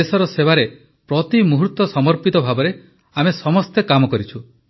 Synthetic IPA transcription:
esɔɾɔsebaɾe | pɾɔt̪imuɦuɾt̪ɔsɔmɔɾpit̪ɔbʱabɔɾe | amesɔmɔst̪ekamɔkɔɾit͡ʃʰu

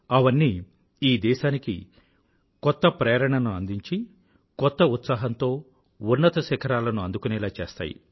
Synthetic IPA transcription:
ɐʋɐnːiː | iːd̪ɛːʃaːnikḭ | kɔt̪ːɐpɾeːɾɐɳɐnuɐnd̪iɲt͡ʃi | kɔt̪ːɐut̪saːɦɐnt̪o̞ː | unːɐt̪ɐsɛkʰɐɾaːlɐnuɐnd̪ukunɛːlaːt͡ʃeːst̪a̰ːjḭ

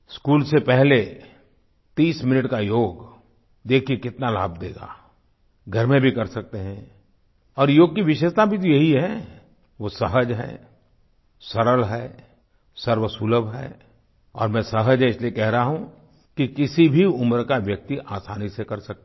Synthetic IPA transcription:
skuːlsepɛɦle | t̪iːsmɪnəʈkajoːɡ | d̪eːkʰiekɪt̪nalaːbd̪eːɡa̰ː | ɡʱɐɾmẽbʱikɐɾsɐk̚t̪eɦɛ̃ | ɔːɾjoːɡ̚kiʋɪʃeːʃt̪abʱit̪ojɐɦiɦɛ | ʋosɐɦəd͡ʒɦɛ̰ː | sɐɾəlɦɛ | sɐɾʋəsuləbɦɛ̰ː | ɔːɾmɛ̃ːsɐɦəd͡ʒɦɛɪsliekɛɦɾaɦaɦũ | kikɪsibʱiʊmɾkaʋjɐk̚t̪iʔaːsaːnisekɐɾsɐk̚t̪

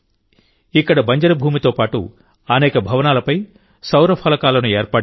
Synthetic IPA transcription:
ikːɐɽɐbɐɲd͡ʒɐɾɐbʱuːmit̪o̞ːpaːʈṵ | ɐnɛːkɐbʱɐʋɐnaːlɐpɐj | sɐwɾɐpʰɐlɐkaːlɐnueːɾpɐ

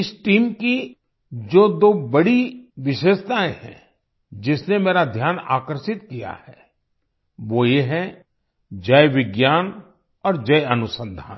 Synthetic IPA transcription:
ɪsʈiːmki | d͡ʒoːd̪oːbɐɽiʋɪʃeːʃt̪aːẽhɛ̰̃ | d͡ʒɪsnemeːɾad̪ʱjaːna̰ːkəɾʃɪt̪̚kija̰hɛː | ʋojeɦɛ̃ | d͡ʒɐjʋɪɡjaːn | ɔːɾd͡ʒɐjɐnʊsə̃nd̪ʱa̰ːn

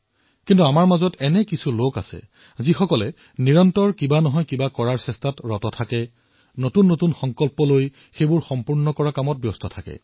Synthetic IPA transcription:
kintuamaɹmazɔtɛnɛkisuloka̰sɛ̰ | zixɔkɔlɛ | niɹɔntɔɹkibanɔɦɔjkibakɔɹaɹsɛstatɹɔtɔtʰakɛ | notunːotunxɔŋkɔlpɔloj | xejbʊɹxɔmpuɹnɔkɔɹakamɔt̚bjɔstɔtʰakɛ̰

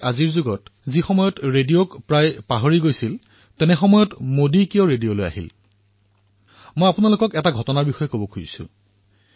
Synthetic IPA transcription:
aziɹzuɡɔtzixɔmɔjɔtɹediokpɹajpaɦoɹiɡojsil | tɛnɛxɔmɔjɔtmodikijɔɹedijoloja̰ɦḭl | mojapunalokɔkɛtaɡʱɔtɔnaɹbixɔjɛkobɔkʰujḭsʊ̰

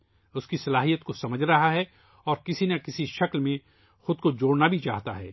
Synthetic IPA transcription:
ʊskisɐlaːɦijət̪̚kosɐməd͡ʒʱɾɐɦaɦɛ | ɔːɾkɪsinakɪsiʃɐklmẽ | xʊd̪̚kod͡ʒoːɽnabʱit͡ʃa̰ːɦt̪a̰ɦɛ̰ː

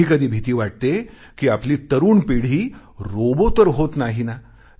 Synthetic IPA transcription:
iːkəd̪ʱiːbʱit̪iːʋaʈ̚t̪e | kiːapliːt̪əɾuːnpiɽ̤iː | ɾobot̪əɾɦot̪naɦina

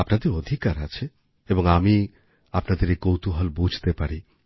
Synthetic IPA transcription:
apnad̪eɾod̪ʱikaɾa̰t͡ɕʰe | eboŋami | apnad̪eɾekowt̪uɦɔlbud͡ʑʱt̪epaɾi

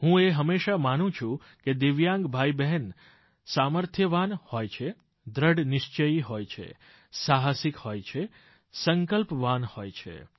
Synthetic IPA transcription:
ɦũeɦəmːeʃamanũt͡ʃʰũ | ked̪eʋjãŋɡbʱaibɛɦɛn | saməɾt̪ʰjəʋanhojt͡ʃʰe | d̪ɾəɖnɪʃt͡ʃəiɦojt͡ʃʰḛ | saɦasikhojt͡ʃʰe | səŋkəlpʋanhojt͡ʃʰḛ

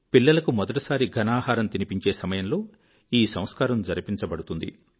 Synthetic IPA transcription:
pilːɐlɐkumɔd̪ɐʈɐsaːɾiɡʱɐnaːɦaːɾɐmt̪inipiɲt͡ʃe̞ːsɐmɐjɐmlo̞ː | iːsɐ̃m̃skaːɾɐmd͡ʒɐɾɐpiɲt͡ʃɐbɐɽut̪und̪ḭ

